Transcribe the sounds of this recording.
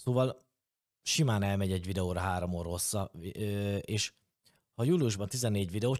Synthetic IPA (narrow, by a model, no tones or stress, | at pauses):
soːvɒl | ʃimaːnɛlmɛɟɛɟvid̪ɛoːɾɒɦaːɾo̞moːɾosːɒ | eːʃ | hɒjuliuʒbɒnt̪izɛnːeːɟvid̪ɛoː